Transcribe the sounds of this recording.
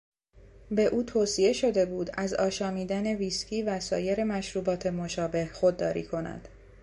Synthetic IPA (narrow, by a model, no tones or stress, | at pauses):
be̞ʔuːt̪ʰoːsie̞ʃo̞d̪e̞buːd̪æzɒːʃɒːmiːd̪æne̞viːsciːvæsɒːje̞ɾemæʃɾuːbɒːt̪ʰe̞mo̞ʃɒːbe̞hxo̞d̪ːɒːɾḭːkʰo̞næ̰d̪̥